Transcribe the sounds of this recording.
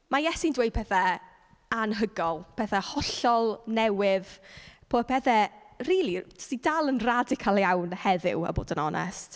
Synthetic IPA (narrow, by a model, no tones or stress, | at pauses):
majɛsindwejd̚pɛθa | anɦəɡɔlˠpʰɛθahɔɬɔlˠnɛwɪðpʰoːpʰɛθɛ | riːlˠit͡ʃə̥stidalˠənradɪkʰalˠjawnhɛðɪ̰wə̰bo̰ːdənɔnʔɛ̰st